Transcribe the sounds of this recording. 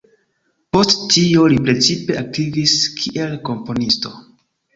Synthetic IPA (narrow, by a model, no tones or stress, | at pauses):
po̞sttiolipɾe̞t͡sipe̞ʔak̚tiviskʰiʔe̞lko̞mpo̞nisto̞̰